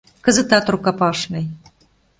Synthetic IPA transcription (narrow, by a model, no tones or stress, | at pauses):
kə̆zə̆t̪ɑt̪rukɑpɑʃnɤ̆j